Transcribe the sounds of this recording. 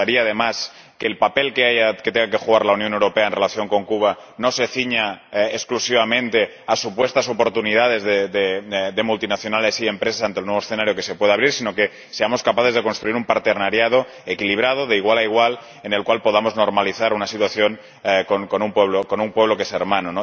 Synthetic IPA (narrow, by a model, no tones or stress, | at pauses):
aɾiaaðe̞mas | ke̞ːlpape̞lke̞ajaket̪eŋɡakexuɣaɾlaunjonewɾo̞pe̞aenrelaθjo̞ŋko̞ŋkuβ̞ano̞seθiɲaeksklusiβamẽ̞nt̪e̞ | asupwe̞st̪aso̞po̞ɾt̪unið̞að̞e̞zðeded̪emult̪inaθjo̞nale̞sie̞mpɾes̬asant̪elnweβosθenaɾjoke̞se̞pweðaβɾiɾsino̞ke | se̞amo̞skapaθe̞zðekonst̪ɾuiɾumpaɾt̪eɾnaɾjað̞o̞ | ekiliβ̞ɾað̞oðe̞iɣ̞walaiɣ̞wal | ene̞lkwalpo̞ð̞amo̞zno̞ɾmaliθaɾunasit̪waθjoŋ | konkonumpweβ̞lokonumpwe̞β̞lo̞keseɾmanono